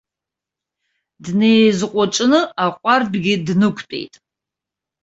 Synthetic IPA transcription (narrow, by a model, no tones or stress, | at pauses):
dnejzqʷʼaʈ͡ʂʼnɨaqʷʼarbɡʲɪdnɨkʷʰpʼḛjtʼ